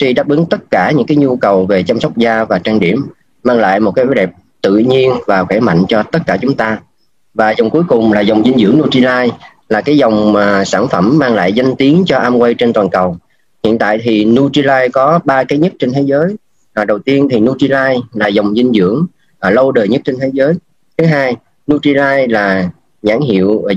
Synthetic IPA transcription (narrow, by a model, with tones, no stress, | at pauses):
t͡ɕi˧ɗaː˦˥p̚ʔɨ˨˦ŋt̪ə˦˥t̚kaː˧˩ɲɨ̰˧˥ŋkaː˨˦jɲu˧kə˨˩wve˨˩t͡ɕa˧msa˦˥wk͡p̚zaː˧vaː˨˩t͡ɕaː˧ŋɗi˧˩əmː | aː˧ŋla̰ː˧˨jmo˨˩t̚kaː˨˦jhoː˨˦jɗɛ˨˩p̚ | t̪ɨ̰˧˨ɲi˧ənvaː˨˩xɛ˧˩ma̰˧˨jŋ̟t͡ɕɔ˧t̪ə˦˥t̚kaː˧˩t͡ɕʊ˨˦ŋ͡mt̪aː˧ | vaː˨˩zə˨˩wŋ͡mku˨˦jkʊ˨˩ŋ͡mlaː˨˩zə˨˩wŋ͡mzi˧ŋ̟zɨ̰˧˩əŋnu˧t͡ɕi˧laː˧j | laː˨˩kaː˨˦jzə˨˩wŋ͡mːsaː˧˩nfə˧˩mːaː˧ŋla̰ː˧˨jza˧jŋt̪i˨˦əŋt͡ɕɔ˧ʔaː˧mkwe˧jt͡ɕe˧nt̪waː˨˩nkə˨˩w | hḭ˧˨ənt̪a̰ː˧˨jt̪ʰi˨˩nu˧t͡ɕi˧laː˧jkɔ˨˦ɓaː˧kaː˨˦jɲə˦˥t̚t͡ɕe˧nt̪ʰe˨˦jzəː˨˦j | ʔɗə˨˩wt̪i˧ənt̪ʰi˨˩nu˧t͡ɕi˧laː˧jlaː˨˩zə˨˩wŋ͡mzï˧ŋ̟zɨ̰˧˩˥əŋː˨˩ | lə˧wɗəː˨˩jɲə˦˥t̚t͡ɕe˧nt̪ʰe˨˦zəː˨˦j | t̪ʰɨ˨˦ɦaː˧j | nu˧t͡ɕi˧laː˧jlaː˨˩ | ɲaː˧˩ŋɦḭ˧˨əw